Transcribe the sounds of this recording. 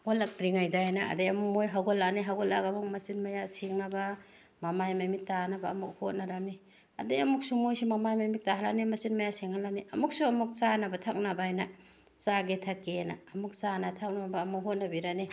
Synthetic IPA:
ɡɔlak̚dɾiŋajdaajnaɐ̰dejɐmuk̚mojɦaɡɔlaniɦaɡɔlakɐmuk̚mɐsinmajasiŋnaba | mamajmajmit̚tanabaːmuk̚hot̚naɾani | ɐ̰dejɐmuk̚sumojsimamajmajmit̚taɦalanimɐsinmajasiŋalaniʔɐmuk̚suɐmuk̚t͡ʃanabatʰak̚nabaajna | saɡetʰakenaːmuk̚sanatʰak̚nabaːmuk̚ɦot̚nabiɾani

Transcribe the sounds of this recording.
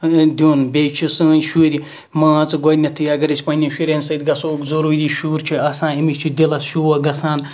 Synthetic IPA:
d̪ʲuːnbʲejt͡ʃʰisɨːnʲʃuɾʲi | mãːt͡sɨɡɔnʲɐt̪ʰɨjɐɡɐɾɐsʲpɐnʲifʲiɾʲenʲsɐjd̪ɡɐsokzoɾoːd̪ʲiʃuːɾt͡ʃʰiɐsãːimit͡ʃʰid̪ʲilɐsʃuwɐɡɐsaːn

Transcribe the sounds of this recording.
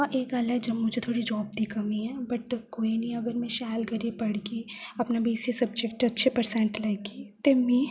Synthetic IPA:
aʔeːkɡaːlɛd͡ʒɐbmʊd͡ʒʱet̪ʰoːɽid͡ʒɔːb̚d̪ikɐmiɦɛ̃bɐʈkoːinĩɐɡəɾmɛ̃ʃɛːlɡɐɾipɐɽɡiɐpnabiːsisɐb̚d͡ʒek̚ʈɐtːʃʰepɐɾsɛ̃ɳʈlɛɡit̪emĩ

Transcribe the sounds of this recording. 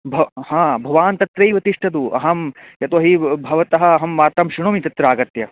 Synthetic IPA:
bʱɐhãːbʱɐʋaːnt̪ɐt̪ɾɐjʋɐt̪iʂʈʰɐd̪uʔɐ̰ɦɐmjɐt̪oɐɦibʱɐʋɐt̪ɐɦɐ̆ːɦɐmʋaːɾt̪ɐmʃɾiɳoːmit̪ɐt̪ɾaːɡɐt̪jɐ

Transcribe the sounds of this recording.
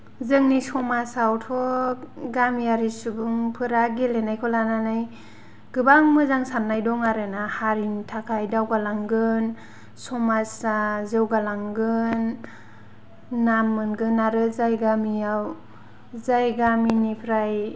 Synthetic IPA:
zɯŋnisɔmasawtʰɔɡamijaɾisubuŋpʰɯɾaɡelenajkʰɔlananaj | ɡ̥ɯbaŋmɯzaŋsamnajdɔŋaɾenahaɾintʰakʰajdawɡalaŋɡɯn | sɔmasazɯwɡalaŋɡɯn | amːɯnɡɯnːaɾɯzajɡamiaw | zajɡaminipʰɾaj

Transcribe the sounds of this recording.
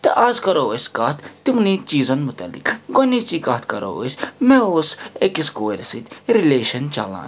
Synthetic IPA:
t̪ɐʔazkɐɾoosʲkaːt̪ʰt̪umnit͡ʃiːzɐnmʊt̪ɐ̰lːḭkɡonit͡ʃikɐːt̪ʰkɐɾo̰o̰sʲmɛ̃oːsekiskoːɾsit̪ɾileːʃɐnt͡ʃa̰lã̰ː

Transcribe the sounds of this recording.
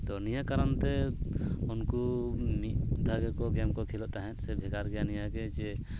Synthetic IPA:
t̪ɔnijakaɾant̪ɛ | unkumit̪d̪ʱaɡɛkɔɡɛmkɔkʰilɔʔt̪aɦɛ̃t̪̚ˀsɛbʱɛɡaɾɡɛjanijaɡɛd͡ʒɛ

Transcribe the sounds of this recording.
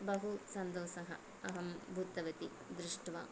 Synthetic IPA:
bɐɦusɐnd̪oːʃɐɦɐ̰ | ɐɦɐmbʱuːt̪ɐʋɐt̪i | d̪ɾɪʂʈʋɐ

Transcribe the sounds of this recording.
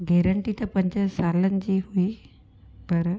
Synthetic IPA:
ɡɛːɾə̃ɳʈit̪ɐpɐ̃ɲd͡ʑə̆saːlənɪ̆d͡ʑiːɦui | pɐɾ

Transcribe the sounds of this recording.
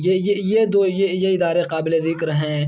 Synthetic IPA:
jejejed̪oːjejeɪd̪aːɾeqaːbɪlezɪkɾɦɛ̃ː

